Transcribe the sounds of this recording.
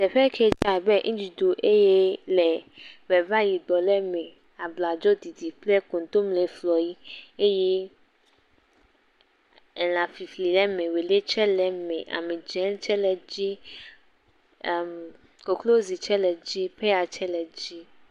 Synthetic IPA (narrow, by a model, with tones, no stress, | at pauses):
t̪ɛ˨ɸɛ˦kʰɛ˦t͡ʃa˨bɛ˦ŋĩ˦d͡ʒi˨d̪o˨ʔe˦jɛ˦lɛ˨bɛ˨va˦ji˨d̪ɔ˨lɛ˦mɛ̃˨ | a˨bla˨d͡ʒɔ˦d̪i˨d̪i˨plɛ˦ko˨ŋ˦t̪o˦mlɛ˨flɔ˨ji˦e˦jɛ˦ | ɛ˨lã˨fi˨fli˨lɛ˦mɛ̃˨we˨le˦t͡ʃɛ˦lɛ˨mɛ̃˨ʔa̰˨mẽ˨d͡ʒɛ˨˦n˦t͡ʃɛ˦lɛ˨d͡ʑi˦˨ | m | ko˨klo˦zi˨t͡ʃɛ˦lɛ˨d͡ʑi˦ɸɛ˦a˨t͡ʃɛ˦lɛ˨d͡ʑi˦